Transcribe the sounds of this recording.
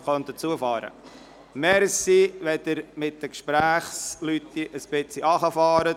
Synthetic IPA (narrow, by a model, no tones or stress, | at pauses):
χœnt̪ət͡suəfɑːɾə̰ | mɛɾsiʋɛd̪əɾmɪt̚dəkʃpɾæːχslyt̪ːiʔəsb̥ɪt͡siɑχəfɑːɾə